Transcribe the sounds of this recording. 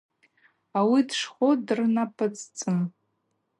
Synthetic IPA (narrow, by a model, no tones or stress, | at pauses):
awidʂχʷodɨrnapʰʼɨt͡sʰʼt͡sʼɨm